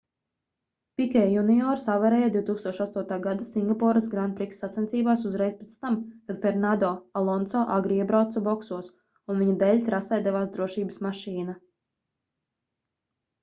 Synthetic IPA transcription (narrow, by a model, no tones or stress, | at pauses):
pʲikʲɛːjuniɔɾsavɛɾɛːjad̪ʲiuwt̪uːkst̪uɔʃast̪uɔt̪aːɡad̪asiŋɡapɔːɾasɡɾanpɾiksːat̪sʲɛnt̪siːbaːsuzɾɛjspet̪st̪amkad̪fɛɾnad̪ɔːalˠɔnt̪sɔːʔaɡɾiiɛbɾawt̪sabɔksuɔs | unviɲad̪ɛːʎʲt̪ɾasɛjd̪ɛvaːsd̪ɾuɔʃiːbə̥smaʃiːna